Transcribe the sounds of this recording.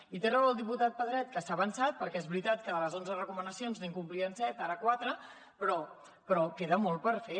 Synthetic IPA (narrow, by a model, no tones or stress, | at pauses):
it̪erɛwəlˠd̪iput̪at̪̚pəðɾɛt̪̚kəsaβənsat̪̚pəɾkɛɛzβɾit̪at̪̚kəðələzonzərəkumənəsionzneŋkumpliənsɛt̪aɾəkwat̪ɾə | pɾɔ | pɾɔkeðəmɔlˠpəɾfe